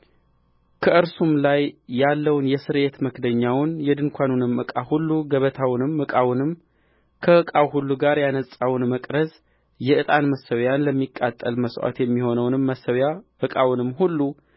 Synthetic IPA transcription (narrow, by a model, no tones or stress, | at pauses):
kʰəʔɨɾsumlajːalːəwnjɛsɨɾe̞t̪məkd̪əɲːawnjɛd̪ɨŋkʷʰanunɨmɨkʼahulːuɡəβət̪ʰawnɨmːɨkʼawnɨm | kʰəɨkʼawɦulːuɡaɾjanəsʼawnməkʼɾəz | jɛʔɨt̪ʼanməsːəwjanləmːikʼːat̪ʼːə̰lməswa̰t̪jɛmːiho̞nəwnɨmːəsəwjaʔɨkʼawnɨmhulːu